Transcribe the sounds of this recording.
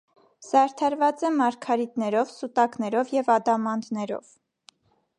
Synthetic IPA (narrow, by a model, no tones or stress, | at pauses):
sɑɾt̪ʰɑɾvɑt͡sɛmɑɾkʰɑɾit̪nɛɾɔvsut̪ɑknɛɾɔvjɛvɑd̪ɑmɑnd̪nɛɾɔ̰v̥